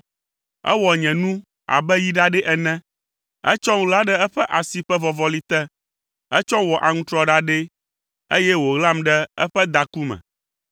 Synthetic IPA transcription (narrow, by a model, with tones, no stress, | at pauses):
ɛ̰˦wɔ˨ɲɛ̃˨nũ˦ | a̰˨bɛ˦ji˦ɖa˦ɖɛ˦ʔɛ˨nɛ̃˦ | ɛ̰˦t͡ʃɔ˦ŋũ˦la˦ɖɛ˦ɛ˦ɸɛ˦ʔa˨si˨ɸɛ˦vɔ˨vɔ˨li˦t̪ɛ˦ | ɛ˦t͡ʃɔ̃˦wɔ˨ʔa˨ŋũ˦t̪ɾɔ˦ɖa˦ɖe˦ | e˦jɛ˦wo˨ɣla˦mɖɛ˦ɛ˦ɸɛ˦d̪a˨ku˦mɛ̰̃˨